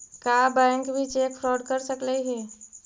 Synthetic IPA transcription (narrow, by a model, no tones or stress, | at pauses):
kaːbɛ̃ːŋkbʱit͡ʃeːkfɾɔːɖkəɾsəkləiɦɛː